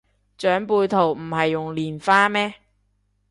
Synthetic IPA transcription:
t͡ʃœː˨˥ŋpuː˧jt̪ʰo˨˩wm̩˨˩hɐ˨jːʊ˨ŋliː˨˩nfaː˥mɛː˥

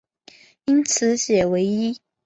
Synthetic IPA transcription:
i˦˥nt͡sʰɹ̩˨˧˦ɕjɛ˨˩we˧˥ɪi˦˥

